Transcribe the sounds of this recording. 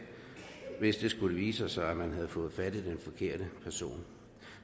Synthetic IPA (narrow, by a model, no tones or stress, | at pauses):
ʋe̝sd̥e̝sɡ̥uləʋḭːsəsɑ̈ɪæmænɦæð̞̩ˠfɔ̽ːð̩ˠfæd̥id̥enfɒ̽kʰe̝ɐ̰d̥əpʰæɐso̝̰ːn